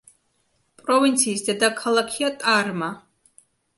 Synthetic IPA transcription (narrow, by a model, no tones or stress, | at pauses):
pʼɾɔvint̪sʰiːsd̪ɛd̪akʰalˠakʰiat̪ʼaɾma